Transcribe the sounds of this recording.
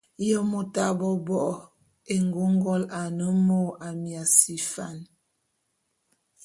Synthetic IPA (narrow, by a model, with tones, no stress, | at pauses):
jɔ˦mo˨ta˨bɔ˦bɔ˨ʔɔ˨ | e˨ŋɡo˦ŋ˦ɡɔ˦la˨nə˦mo˦˨a˨mja˨si˨fa̰˨n